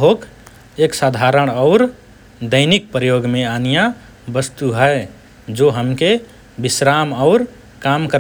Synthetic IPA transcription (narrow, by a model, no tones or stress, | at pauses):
ɦoːk | eksad̪ʱaɾəɽ̃ɔʊɾ | d̪əɪnik̚pɾəjoɡmẽanija | bəst̪uɦəe | d͡ʒoɦəmke | bɪsɾaməʊɾ | kamkəɾ